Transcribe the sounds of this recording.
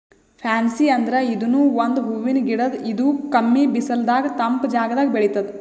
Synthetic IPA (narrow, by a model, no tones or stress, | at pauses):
pʰaːnsiɐnd̪ɐɾeid̪unuːʋond̪ɦuʋːinɡiɽɐd̪id̪ukɐmːibisɐld̪aːɡɐt̪ɐmpd͡ʒaːɡɐd̪aːɡɐbeɭit̪ɐd̪